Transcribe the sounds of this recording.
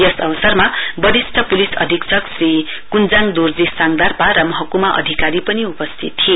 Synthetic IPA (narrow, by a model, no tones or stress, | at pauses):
jʌsʌbʌsʌrmabʌd̪isʈʰʌpulisʌ̰d̪ʱiksʰʌksri | kund͡zaŋd̪urd͡zisaŋd̪arpaɾʌmʌɦʌkumaʔʌ̰d̪ʱikaɾipʌniupʌst̪ʰit̪ːʰie